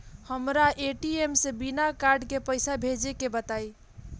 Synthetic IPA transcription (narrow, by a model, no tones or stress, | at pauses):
həmɾaʔeʈiemsebinakaɾɖkepəjsabʱed͡ʒekebət̪aj